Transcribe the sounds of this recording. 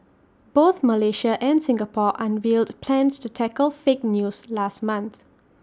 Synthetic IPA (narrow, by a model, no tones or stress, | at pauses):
b̥oθməleʃəʔɛ̃nsɪ̃ŋɡəpɔʔãnvildpʰlɛ̃nstutʰɛkəlfek̚njuːslastmãnθ